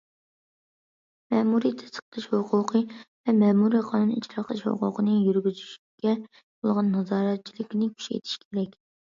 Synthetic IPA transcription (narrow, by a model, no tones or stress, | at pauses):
mɛːmuɾijt̪ʰɛ̥st̪ə̥qət̪ʰɨʃhoqʰʊqʰɨvɛmɛːmuɾiqʰɑnunit͡ʃɾɑqʰəlˠɨʃho̰qʊ̰qʰənɨjyɾɡʲyzyʃykʲɛ | bolˠʁɑnːɑzɑːɾɛt̪̚t͡ʃʰilˠɪkʲnɪkʲʰy̥ʃḛjt̪ʰi̥ʃkʲʰeɾɛkʲ